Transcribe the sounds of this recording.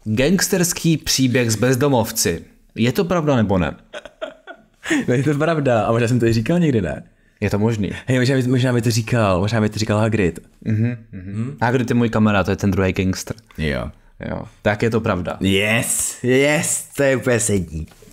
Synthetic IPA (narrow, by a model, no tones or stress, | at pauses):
ɡɛŋkst̪ɛɾskʰiːpr̝̥iːbjɛɣzbɛzdo̞mo̞ft͡sɪ | jɛt̪o̞pɾavdanɛbo̞nɛ̰ | nɛɲɛt̪opɾavdaamoʒnaːsɛmt̪oɪriːkalɲɛɡdɪnɛ̰ | jɛt̪omoʒnḭːɦɛjmoʒnaːbɪmoʒnaːmɪt̪orikalmoʒnaːmbɪt̪oɾikalɦaɡɾɪt̪ | m̩ɦm̩ːɦ̩haɡɾɪt̪jɛmuːjkamɛɾat̪ojɛt̪ɛnd̪ɾuɦɛjɡɛŋkst̪ɾjo̰ | jo̰t̪akjɛt̪o̞pɾavda̰jɛsjɛst̪ojɛupɛsɛdɲiː